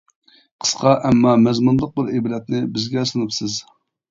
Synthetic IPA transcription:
qʰə̥sqɑʔɛmːɑmɛzmunlˠəq̚bɪɾeblɛt̪̚nɪbɪzɡʲɛsɨnɨpsɨz

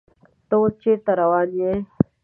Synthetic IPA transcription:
t̪oːt͡ʃet̪ɐɾɐwaːniẽ

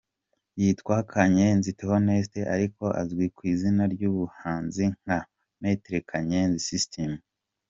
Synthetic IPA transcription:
jitkwaːkʰaɲe̞nziteho̞ne̞ːste̞ʔaɾiko̞ʔa̰zɡwikwiːzinaɾɟuβuhaːnziŋ̥ha | ne̞ːte̞ɾe̞kʰaɲe̞nzisistemu

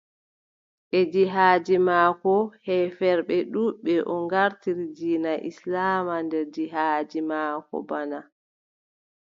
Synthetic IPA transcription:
ʔɛd͡ʒiɦaːd͡ʒimaːkɔhɛfɛɾɓɛɗuɓɛʔɔŋɡaɾtiɾid͡ʒiːnaʔislaːmandɛɾd͡ʒiɦaːd͡ʒimaːkɔ̰bana

